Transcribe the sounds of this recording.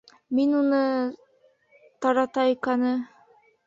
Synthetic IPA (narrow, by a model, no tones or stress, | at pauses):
minunɤ | t̪ɑɾɑt̪ɑikænɤ